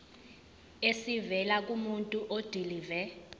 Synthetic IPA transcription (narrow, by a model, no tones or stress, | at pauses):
esivɛlak̬ʼumuntʼuʔod̥ʱiliːvɛ